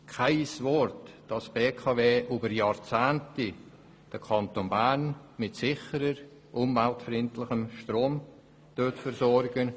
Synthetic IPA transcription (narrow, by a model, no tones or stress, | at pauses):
kʰaɪsvɔɾtd̥ɑsb̥eːkʰɑveːʔyːbəɾjɑːɾt͡sæːnti | d̥əkʰɑntonbænmɪtsɪχəɾəɾ | ʔʊmvæltfrɪntlɪχəmʃtɾoːm | d̥øtfəɾsɔɾɡən